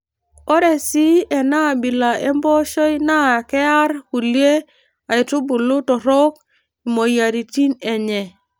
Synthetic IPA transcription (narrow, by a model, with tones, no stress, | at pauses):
o˦ɾe˨si˦e˨na˦˨bi˨la˨ʔe˦mbo˦ʃo˦jna˦˨ke˦a˦ɾhu˨li˦e˦ | a˨i˨tu˦bu˨lu˦tɔ˨ɾo˦k | i˨mo˨ja˨ɾi˨ti˦ne˨ɲɛ˨